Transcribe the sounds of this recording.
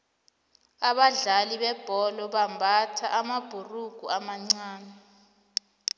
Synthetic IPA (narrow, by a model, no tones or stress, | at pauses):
aɓaɮaliɓɛb̥ʱɔlɔɓambʱatʰa̰ʔamab̥ʱuruɡ̥ʱuamaŋ͡ǀaːna